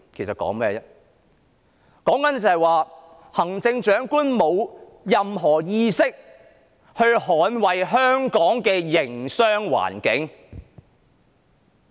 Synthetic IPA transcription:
kʰe˨˩jsɐ˨t̚kɔ̰ː˨˥ŋmɛː˥˧jɛ˥ | kɔː˨˥ŋkɐ˨˦nt͡sɐ˨˩hɐ˨jwaː˨˧ | hɐ˨˩ŋt͡sɪ˧ŋt͡ʃœː˨˥ŋkuː˥nmo˨˧w | jɐ˨mɦɔː˨˩jiː˧sɪ˥k̚ | hɵ˧ɥhɔː˨˥nwɐ˨jɦœː˥ŋkɔː˨˥ŋkɛː˧jɪ˨˩ŋsœː˥ŋwa̰ː˨˩nkɪ˨˥ŋ

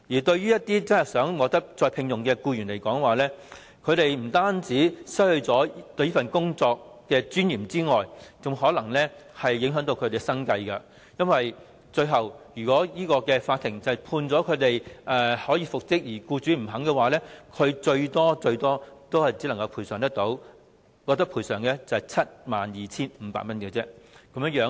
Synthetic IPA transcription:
jiː˨˩t̪ɵ˧ɥyː˥jɐ˥t̚t̪iː˥t͡sɐ˥ɐ˨˩jsœː˨˥ŋwɔː˨k̚t̪ɐ˥k̚t͡sɔː˧pʰɪ˧ŋjʊ˨ŋkɛː˧kuː˧ɥyː˨˩nle˨˩jkɔː˨˥ŋwaː˨lɛː˥ | kʰɵ˨˧ɥɾe˨jm̩˨˩t̪aː˥nt͡siː˨˥sɐ˥hɵ˧ɥt͡sɔː˨˥t̪ɵ˧ɥji˥fɐ˨nkʊ˥ŋt͡sɔː˧k̚ːɛː˧t͡syː˥njiː˨˩mt͡siː˥ŋɔː˨˩jt͡sʊ˨ŋɦɔː˨˥lɐ˨˩ŋlɛː˥hɐ˨jːɪ˨˧˥ŋɦœ˨˥ŋt̪o˧wkʰɵ˧t̪e˨˧sɐ˥ŋkɐ˧jkɐ˧ | jɐ˥nwɐ˨j | t͡ʃɵ˧ɥɦɐ˨wjyː˨˩kɔː˨˥jiː˥kɔː˧kɛː˧faː˧t̪ʰːɪ˨˩ŋt͡sɐ˨ɐ˨˩jpʰuː˧nt͡sɔː˨˥kʰɵ˨˧ɥt̪e˨jʔɛ˨hɔː˨˥jiː˧fʊ˨k̚sɪ˥k̚jiː˨˩kuː˧t͡syː˨˥m̩˨˩ɦɐ˨˥ŋkɛ˧waː˨˥lɛː˥kʰɵ˨˧ɥt͡ʃɵ˧ɥt̪ɔː˥t͡ʃɵ˧ɥt̪ɔː˥t̪o˥whɐ˨˩jt͡siː˨˥lɐ˨˩ŋkɐ˧wpʰuː˨˩jsœː˨˩ŋt̪ɐ˥k̚t̪o˨˥w | kɔː˧k̚t̪ɐ˥k̚pʰuː˨˩sœː˨˩ŋkɛ˧t͡sɐ˨˩hɐ˨˩jt͡sʰɐ˥t̚maː˨˩njiː˨˩t͡sʰiː˥nm̩ː˨˧pa̰ː˧k̚mɐ˥nkɛ˧t͡sɛ˥kɐ˨˥mjŋjœː˨˧˥

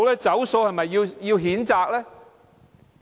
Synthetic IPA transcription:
wlɛː˥t͡sɐ˨˥wso˧whɐ˨jmɐ˨jːiː˧wjiː˧wɦiː˨˥nt͡saː˧k̚lɛː˥

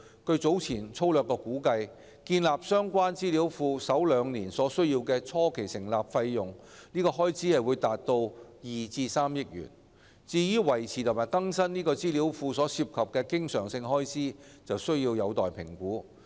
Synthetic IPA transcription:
kɵ˧ɥt͡so˨˥wt͡sʰiː˨˩nt͡sʰo˥wlœː˨kːɔː˧kuː˨˥kɐ˧j | kiː˧nlaː˨p̚sœː˥ŋkʷaː˥nt͡siː˥li˨˥wfuː˧sɐ˨˥wlœː˨˧ŋniː˨˩nsɔː˨˥sɵ˥ɥjiː˧wkɛː˧t͡sʰɔː˥kʰe˨˩jsɪ˨˩ŋlaː˨p̚fɐ˧jːʊ˨ŋniː˥kɔː˧ɦɔː˥jt͡siː˨˥hɐ˨jwuː˨˧jt̪aː˨t̚t̪o˧wjiː˨t͡siː˧saː˥mjɪ˥k̚jy̰ː˨˩n | t͡siː˧jyː˥wɐ˨˩jt͡sʰiː˨t̪ʰʊ˨˩maː˨˩jkɐ˥ŋsɐ˥nniː˥kɔː˧t͡siː˥li˨˥wfuː˧sɔː˨˥siː˧p̚kʰɐ˨p̚kɛː˧kɪ˥ŋsœː˨˩ŋsɪ˧ŋɦɔː˥jsiː˥ | t͡sɐ˨wsɵ˥ɥjiː˧wjɐ˨˧wt̪ɔː˨jpʰɪ̰˨˩ŋkuː˨˥

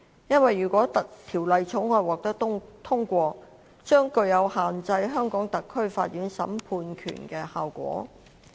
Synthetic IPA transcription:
jɐ˥nwɐ˨jːyː˨˩kʷɔː˨˥t̪ɐ˨k̚t̪ʰiː˨˩wlɐ˨jt͡ʃʰʊ˨˥ŋɔː˨˧˨wɔː˨˩k̚t̪ɐ˥kt̪ʰʊ˥ŋkʷɔː˧ | t͡ʃœː˥ŋkɵ˧ɥjɐ˨˧whaː˨nt͡sɐ˧jɦœː˥ŋkɔː˨˥ŋt̪ɐ˨kʰːɵ˥ɥfa̰ː˧t̚jyː˨˥nsɐ̰˨˥mpʰuː˧nkʰy̰ː˨˩nkɛː˧haː˨wkʷɔ̰ː˨˥

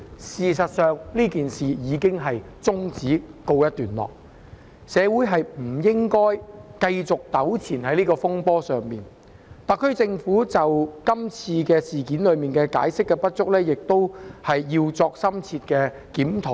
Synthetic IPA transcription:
siː˨sɐ˨t̚sœː˨ŋliː˥kiː˨nsiː˨˩jiː˨˧kɪ˥ŋɦɐ˨j | t͡sʊ˥ŋt͡siː˨˥ko˧wjɐ˥t̚t̪yː˨˩nlɔ̰ː˨k̚ | sɛː˨˧wuː˨˥jɦɐ˨jm̩˨˩jɪ˥ŋkɔː˥jkɐ˧jt͡sʊ˨k̚t̪ɐ˨˥wt͡sʰiː˨˩nhɐ˨˥jliː˥kɔː˧fʊ˥ŋpɔː˥sœː˨ŋmiː˨˩n | t̪aː˨kʰɵ˥ɥt͡sɪ˧ŋfuː˨˥t͡sɐ˨wkɐ˥mt͡sʰiː˧kɛː˧siː˨kiː˨˥nlɵ˨˧miː˨nkɛː˧ka̰ː˨˥jsɪ˥kːɛː˧pɐ˥t̚t͡ʃʊ˥k̚lɛː˥jɪ˨k̚t̪o˥whɐ˨jjiː˧wt͡sɔː˧k̚sɐ˥mt͡sʰiː˧t̚kɛː˧ | kiː˨˥mt̪ʰo˨˥w

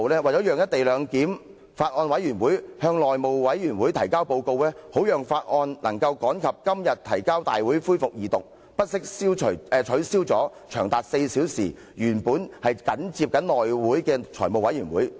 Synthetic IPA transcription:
wlɛː˥wɐ˨jt͡sɔː˨˥jœː˨ŋjɐ˥t̚t̪e˨jlœː˨˧ŋkiː˨˥m | faː˧t̚ŋɔː˧nwɐ˨˥jyː˨˩nwuː˨˥jhœː˧ŋlɔː˨jmo˨wwɐ˨˥jɥyː˨˩nwuː˨˥jt̪ʰɐ˨˩jkaː˥wpo˧wko˧wlɛː˥ho˨˥wjœː˨ŋfaː˧t̚ŋɔː˧nlɐ˨˩ŋkɐ˧wkɔː˨˥nkʰɐ˨p̚kɐ˥mjɐ˨t̚t̪ʰɐ̰˨˩jkaː˥wt̪a̰ː˨jwuː˨˥jfuː˥jfʊ˨k̚jiː˨t̪ʊ˨k̚ | pɐ˥t̚sɪ˥k̚siː˥wt͡ʃʰjɛ˨˧t͡ʃʰɵ˨˥ɥsiː˥wt͡sɔː˨˥ | t͡ʃʰœː˨˩ŋt̪aː˨t̚se˧jsiː˨˥wsiː˨˩ | jyː˨˩npuː˨˥nhɐ˨jkɐ˨˥nt͡siː˧p̚kɐ˨˥nlɔː˨jwuː˨˥jkɛː˧t͡ʃʰɔː˨˩jmo˨wɐ˨˥jyː˨˩nwuː˨˥j

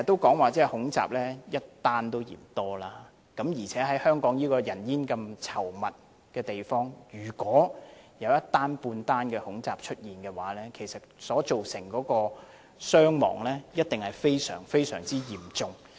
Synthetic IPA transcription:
t̪ːo˥wkɔː˨˥ŋwaː˨t͡sɛː˥hʊ˨˥ŋt͡sa̰ː˨p̚lɛː˥jɐ˥t̚t̪aː˥nt̪o˥wjḭː˨˩mt̪ɔː˥laː˧˥ | kɐ˨˥mjiː˨˩t͡sʰɛː˨˦˥ɦɐ˨˥jhœː˥ŋkɔː˨˥ŋjiː˥kɔː˧jɐ˨˩njiː˥nkɐ˧mt͡sʰɐ˨˩wmɐ˨t̚ | kɛː˧t̪e˨jfɔː˥ŋjyː˨˩kʷɔː˨˥jɐ˨˧˥wjɐ˥t̚t̪ːaː˥npuː˧nt̪aː˥nkɛː˧hʊ˨˥ŋt͡saː˨p̚t͡ʃʰɵ˥t̚jiː˨nkɛː˧waː˨˥lɛː˥kʰe˨˩jsɐ˨t̚sɔː˨˥t͡so˨wsɪ˨˩ŋkɔː˨˥kɔː˧ | sœː˥ŋmɔ̰ː˨˩ŋlɛː˥jɐ˥t̚t̪ɪ˨ŋhɐ˨jfe˥jsœ̰ː˨˩ŋfe˥jsœː˨˩ŋt͡siː˥jiː˨˩mt͡sʊ˨˧ŋ

